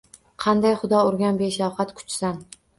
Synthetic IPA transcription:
qʰɑnd̪ajχʊd̪ɒʊɾɡʲanbeʃawhat̪kʰʊ̥t͡ʃsan

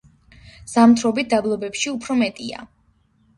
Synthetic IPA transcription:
z̥amt̪ʰɾɔbit̪̚ʰd̪ablˠɔbɛpʃiupʰɾɔmɛt̪ʼia̰

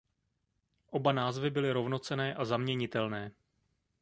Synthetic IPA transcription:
ʔo̞banaːzvɪbɪlɪɾo̞vno̞t͡sɛnɛːʔazamɲɛɲɪt̪ɛlnɛː

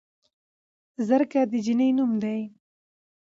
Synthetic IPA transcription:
zəɾkad̪əd͡ʒinəjnumd̪aj

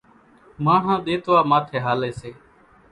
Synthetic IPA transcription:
mãːɦãːɗ̪eːt̪ʋaːmaːt̪ʰeːɦaːleːseː

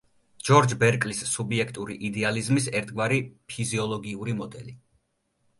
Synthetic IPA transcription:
d͡ʒɔɾd͡ʒbɛɾkʼlisːubiɛkʰt̪ʼuɾiʔid̪ɛalizmisɛɾt̪ʰɡwaɾipʰiziɔlˠɔɡiuɾimɔd̪ɛli

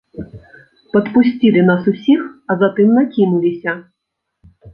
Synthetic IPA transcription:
pɐt̪pʊsʲt͡sʲilʲˠɪn̪asʊsʲixɐzɐt̪ɪmnɐkʲinʊlʲɪsʲɐ

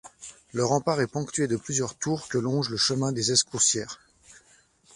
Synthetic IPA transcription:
ləʁɑ̃paʁɛpɔ̃kt̪yɥed̪əplyzjœʁt̪uʁkəlɔ̃ʒləʃəmɛ̃d̪ezɛskuʁsjɛːʁ

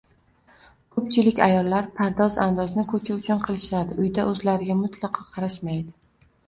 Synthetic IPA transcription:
kʰɵp̚t͡ʃʰɪlɪkʲa̰jɒlˠːaɾpʰaɾd̪ɒza̰nd̪ɒznɪkʰɵt͡ʃʰaʊt͡ʃʰʊnqʰɨlˠɪʃad̪ɪʊjd̪aʔɵzlaɾɪɡʲamʊt̪ʰlˠɑqʰɒqʰɑɾaʃmajd̪ɪ

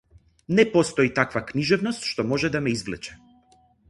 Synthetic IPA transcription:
nɛpɔst̪ɔit̪akvakniʒɛvnɔst̪ʃt̪ɔmɔʒɛd̪amɛizvlɛt͡ʃɛ̥

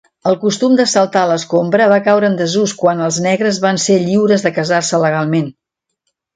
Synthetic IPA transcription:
əlˠkust̪umd̪əsəlˠt̪aləskombɾəβakawɾəːnd̪əzuskwanəlˠznɛɣɾəzβanseʎiwɾəzðəkəzarsələɣ̞alˠmen

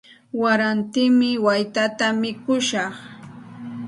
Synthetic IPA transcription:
waɾant̪ɪmɪwajt̪at̪amɪkʊʃɑχ

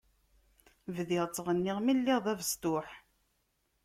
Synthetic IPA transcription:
vðiʁˤt͡sːˤʁənːɪʁmilːiʁðˤævəst̪ʊħ

